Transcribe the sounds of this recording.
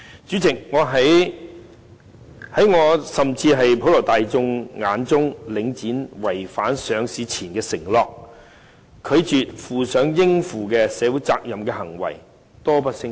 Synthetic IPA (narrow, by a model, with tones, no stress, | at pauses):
t͡syː˨˥t͡sɪ˨k̚ŋɔː˨˧ɦɐ˨˥j | hɐ˨˥jŋɔː˨˧sɐ˨mt͡siː˧ɦɐ˨jpʰo˨˧˥wlɔː˨˩t̪aː˨jt͡sʊ˧ŋŋaː˨˧˥nt͡sʊ˥ŋlɪ˨˧ŋt͡siː˨˥nwɐ˨˩jfaː˨˥nsœː˨˧ŋsiː˨˧t͡sʰiː˨˩nkɛː˧sɪ˨˩ŋlɔː˨k̚ | kʰɵ˨˧ɥt͡ʃyː˨t̚fuː˨sœː˨˥ŋjɪ˥ŋfuː˨kɛː˧sɛː˨˧wu˨˥jt͡sa̰ː˧k̚jɐ˨mkɛː˧hɐ˨˩ŋwɐ̰˨˩j | t̪ɔː˥pɐ˥t̚sɪ˥ŋ